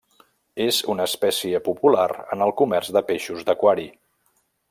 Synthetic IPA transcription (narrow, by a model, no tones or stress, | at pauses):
ezunəspɛsiəpupulaɾə̰nəlˠkumɛrzðəpeʃuzd̪əkwaɾi